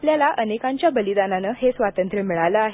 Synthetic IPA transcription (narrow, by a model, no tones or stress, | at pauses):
pljalaʔənekãɲt͡ɕjabəlid̪ananəɦesʋat̪ənt̪ɾəmiɭajləaɦe